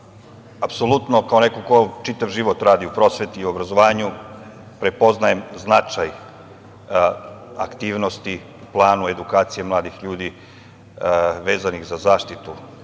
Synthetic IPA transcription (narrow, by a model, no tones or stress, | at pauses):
apsolut̪nokaonekokot͡ʃit̪aʋʒiʋo̞t̪ɾaːd̪iupɾo̞sʋe̞t̪iːuo̞bɾazo̞ʋaːɲu | pɾe̞po̞znaje̞mznat͡ʂaj | a̰kt̪iːʋno̞st̪i | plˠaːnue̞d̪ukaːt̪sije̞mlˠaːd̪ixʎuːd̪i | ʋe̞ːzanixzazaːʃt̪it̪u